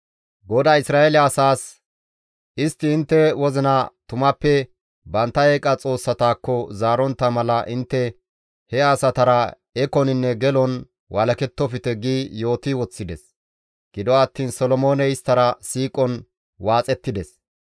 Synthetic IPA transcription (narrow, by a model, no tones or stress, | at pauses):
ɡɔd̪ɐɪsɾaːelɐsaːs | ɪst̪ːɪːnt̪ːɛwɔzɪnɐt̪ʊmɐpːɛ | bɐnt̪ːɐeːkʼɐt͡sʼo̞ːsːɐt̪aːkːɔzaːɾɔnt̪ːɐmɐlɐʔɪnt̪ːɛ | hɛaːsɐt̪ɐɾɐ | ɛkɔnɪnːɛɡɛlɔn | wɐlɐkɛt̪ːɔfɪt̪ɛɡiːjo̞ːt̪ɪwɔt͡sːɪd̪ɛs | ɡ̥ɪd̪ɔɐt̪ːiːnsɔlɔmo̞ːnɛɪst̪ːɐɾɐsiːkʼɔn | waːt͡sʼɛt̪ːɪd̪ɛs